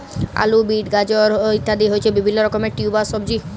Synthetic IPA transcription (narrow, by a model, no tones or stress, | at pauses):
a̰lubiʈɡad͡ʑoɾit̪ʰːad̪iɦoet͡ɕʰebibʱinːoɾɔkomeʈiubasɔbd͡ʑi